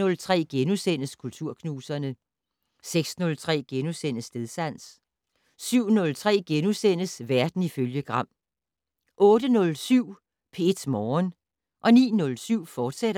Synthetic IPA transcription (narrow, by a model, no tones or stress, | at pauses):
ɔ̽lt͡sʰʁɛ̰ːɡ̥enusen̰əskʰult͡sʰuɐ̰kʰnuːsɐnə | seɡ̥snɔ̽lt͡sʰʁɛ̰ːɡ̥enusen̰əsde̝ðˠsæn̰s | syʊ̰nɔ̽lt͡sʰʁɛ̰ːɡ̥enusen̰əsʋæɐd̥n̩iføljəɡ̥ʁɑ̈m̰ | ʔɔ̽ːɾənɔ̽lsyʊ̰ | pʰe̝e̝d̥mɒːn | ʔɒ̽nḭːnɔ̽lsyʊ̰fɒːd̥seɾ̥ɐ